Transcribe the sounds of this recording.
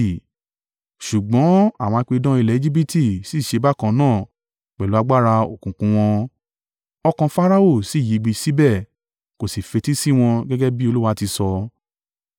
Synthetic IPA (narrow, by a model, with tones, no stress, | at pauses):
ʃu˨ɡ͡bɔ̃˨˦a˦˨w̃ɔ̃˧a˧k͡pe˧dɔ̃˦i˧lɛ˦e˧d͡ʒi˦bi˦ti˦˨si˦˨ʃe˧ba˦kã˧nãː˦˨ | k͡pɛ˨lu˦a˧ɡ͡ba˦˨ɾa˧o˨kũ˨kũ˨˧w̃ɔ̃˧ | ɔ˧kã˧fa˦ɾa˦o˦˨si˦˨ji˨˦ɡ͡bi˧si˦bɛ˦˨ | ko˨si˨fe˧ti˦si˦˨w̃ɔ̃˧ɡɛ˦ɡɛ˦bi˦o˧lu˦wa˧˦ti˧sɔ˧